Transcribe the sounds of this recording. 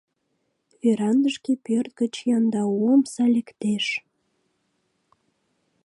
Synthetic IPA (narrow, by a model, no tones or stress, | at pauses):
øɾɑnd̪əʃkepørt̪̚ɡət͡ɕjɑnd̪ɑuəmsɑlʲekt̪eʃ